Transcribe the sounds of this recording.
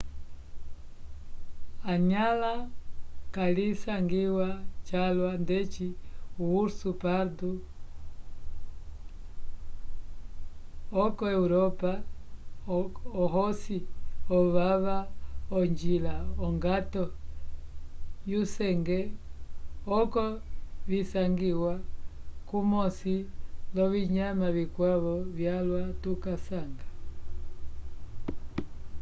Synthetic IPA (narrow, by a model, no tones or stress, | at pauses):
aɲala | kalisaŋɡiwat͡ʃalwandɛt͡ʃiuwuɾsupaɾdu | ɔkɔɛuɾɔpa | ɔɦɔsiɔβaβaɔɲd͡ʒilaɔŋɡatɔ | jusɛŋɡɛ | ɔkɔβisaŋɡiwakumɔsilɔβiɲamaβikwaβɔvjalwatukasaŋɡa